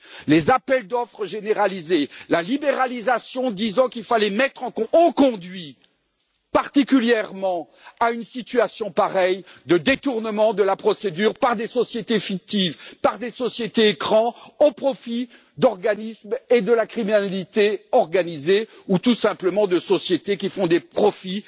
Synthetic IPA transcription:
lezapɛld̪ɔfχəʒeneʁalizelalibeʁalizasjɔ̃d̪izɑ̃kilfalɛmɛt̪χɑ̃kɔ̃ɔ̃kɔ̃d̪ɥi | paʁt̪ikʲyljɛʁmɑ̃ | aynsit̪ɥasjɔ̃paʁɛjd̪əd̪et̪uʁnəmɑ̃d̪əlapχɔsed̪yːʁpaʁd̪esɔsjet̪efik̚t̪ivpaʁd̪esɔsjet̪eːkχɑ̃opχɔfi | d̪ɔʁɡanismed̪əlakχiminalit̪eɔʁɡanize | ut̪usɛ̃pləmɑ̃d̪əsɔsjet̪ekʲifɔ̃d̪epχɔfi

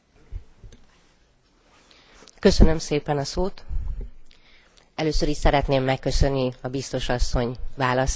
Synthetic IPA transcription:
kø̞sønømseːpɛnɒsoːt̪ | ɛløːsøɾiʃsɛɾɛt̪neːmːɛkːø̞sø̞nːiɒbist̪o̞ʃɒsːo̞ɲvaːlɒs

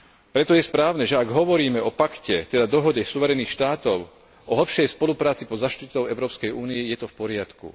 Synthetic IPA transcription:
pɾɛt̪ɔjɛspɾaːʊnɛʒɛaɡɦɔʋɔɾiːmɛʔɔpakcɛt̪ɛd̪ad̪ɔɦɔɟɛsuʋɛɾɛniːxʃt̪aːt̪ɔʊ | ʔɔɦl̩pʃɛjspɔlupɾaːt͡sipɔzaʃt̪it̪ɔʊɛʊɾɔːpskɛjuːnijɛjɛt̪ɔfpɔɾɪat̪kṵ

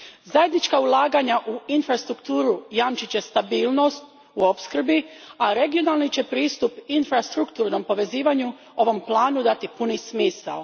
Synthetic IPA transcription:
zaje̞d̪nit͡ʃkaulˠaːɡaɲaʔuinfɾast̪ɾukt̪uːɾujaːmt͡ʃit͡ɕe̞st̪abiːlno̞st̪̚ | uo̞pskr̩biaɾe̞ɡio̞nalˠnit͡ɕe̞pɾiːst̪upinfɾast̪ɾukt̪uːɾno̞mpo̞ʋe̞ziːʋaɲu | o̞ʋo̞mplˠaːnud̪at̪ipunismiːsa̰l

